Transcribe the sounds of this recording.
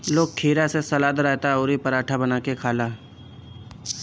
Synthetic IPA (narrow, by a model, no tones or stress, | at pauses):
loːɡ̚kʰiːɾasesɐlaːd̪ɾɛɦt̪aoːɾipɐɾaːʈʰabənaːkekʰaːlaːɦ